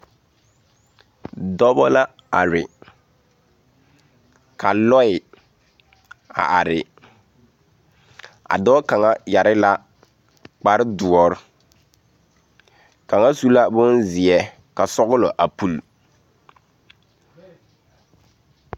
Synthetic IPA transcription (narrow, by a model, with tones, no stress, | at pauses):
dɔ˦bɔ˦la˦ | a̰˨ɾɪ˨ | ka˨lɔ˦ɪ˨ | a̰˨ʔa˨ɾɪ˨ | a̰˨dɔː˦ka˨ŋa˦ja˨ɾɪ˦la˦ | k͡pa˨ɾɪ˦dʊ˨ɔ˨ɾ | ka˨ŋa˦su˦la˦bʊ˦nzɪ˨ɛ˦ | ka˨sɔ˦ɣʊ˦lɔ˨ʔa˨pu˨l